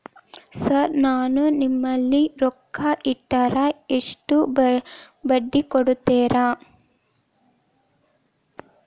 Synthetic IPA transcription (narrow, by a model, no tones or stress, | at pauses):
sɐɾnaːnunimːɐlːiɾɔkʰːɐʔiʈːɐɾɐeʂʈu | bɐɖːikɔɽut̪ːeːɾaː